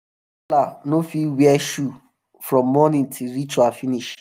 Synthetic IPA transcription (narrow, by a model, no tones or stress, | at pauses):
lanofiwiɛʃu | fɹɔ̃mːɔnĩntʰilɾit͡ʃuafiniʃ